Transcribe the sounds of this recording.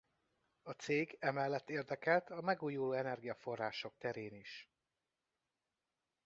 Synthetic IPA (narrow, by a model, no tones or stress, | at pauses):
ɒt̪seːɡɛmɛlːɛt̪ːeːrd̪ɛkɛlt̪ʰɒmɛɡuːjuloːɛnɛrɡijɒfo̞rːaːʃo̞k̚t̪ɛɾeːniʃ